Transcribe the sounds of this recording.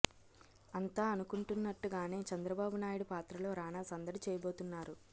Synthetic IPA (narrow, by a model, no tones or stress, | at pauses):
ɐnt̪aːɐnukuɳʈunːɐʈːuɡaːne̞ːt͡ʃɐnd̪ɾɐbaːbunaːjiɽupaːt̪ɾɐlo̞ːɾaːnaːsɐnd̪ɐɽit͡ʃɛːjɐbo̞ːt̪unːaːɾu